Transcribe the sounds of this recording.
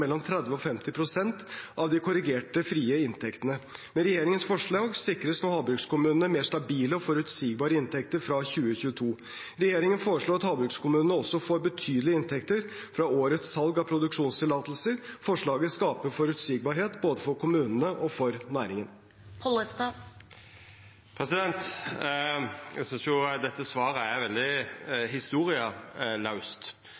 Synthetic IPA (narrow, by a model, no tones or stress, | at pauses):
ɛlːɔmt̪ʰɾɛd̪ʋəɔfɛmt̪ɪpʰɾʊsɛnt̪ɑʋd̪ɪkʰʊɾɪɡeːʈəfɾiːəɪnt̪ʰɛkt̪ənəmɛnɾɛjeːɾɪŋənsfɔʂɭɑːɡsɪkɾəsnuːhɑːbɾʉkskʊmʉːnənəmeːʂt̪ɑbiːləɔfɔɾʉt̪siːɡbɑːɾəɪnt̪ʰɛk̚t̪əɾfɾɑçʉːəçʉːət̪ʰuː | ɾɛjeːɾɪŋənfoːɾəʂɭoːɾɑt̪hɑːbɾʉkskʊmʉːnənəɔsːɔfoːɾbət̪ʰyːd̪əlɪɪnt̪ʰɛkt̪əɾfɾɑoːɾət̪sːɑlɡɑpʰɾʊd̪ʉkʂuːnst̪ʰɪlɑːt̪lsəɾfɔʂɭɑːɡəskɑːpəfɔɾʉt̪siːɡ̚bɑːɾheːt̪boːd̪əfɔɾkʰʊmʉːnənəʔɔfɔɾnæːɾɪŋən | pʰɔləst̪ɑ | pʰɾɛsɪd̪ɛnt̪ | ɛ̰sʏnsjʊd̪ɛt̪ːəsʋɑːɾəæɾʋɛld̪ɪɦɪst̪uːɾɪəlɑʉst̪